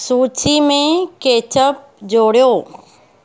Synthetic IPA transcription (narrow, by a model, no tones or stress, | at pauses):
suːt͡ʃimẽkeːt͡ɕəp̚d͡ʒoːɽjoː